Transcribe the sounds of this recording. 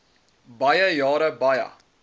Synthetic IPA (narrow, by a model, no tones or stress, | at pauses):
bɐjəjɑːɾəbɐjɐ̰